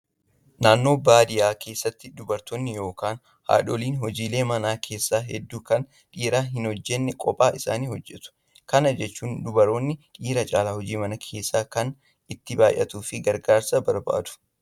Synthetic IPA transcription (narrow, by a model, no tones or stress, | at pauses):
naːnːo̞ːbaːd̪ɪjaːkʰe̞ːsːɐt̪ːɪd̪ʊbɐɾt̪ɔnːɪjo̞ːkaːn | ha̰ːᶑɔliːnɦɔd͡ʒiːle̞ːmɐnaːkʰe̞ːsːaːɦɛd̪ːuːkɐn | ᶑiːɾaːɦɪnhɔd͡ʒːɛnːɛkʼɔpʼaːʔɪsa̰ːniːhɔd͡ʒːɛt̪ʊ̥ | kɐnɐd͡ʒɛt͡ʃːuːnd̪ʊbɐɾoːnːɪᶑiːɾɐt͡ʃʼaːlaːhɔd͡ʒiːmɐnɐkʰeːsːaːkɐn | ɪt̪ːɪbaːjʔɐt̪uːfɪɡɐɾɡaːɾsɐbɐɾba̰ːd̪ʊ̥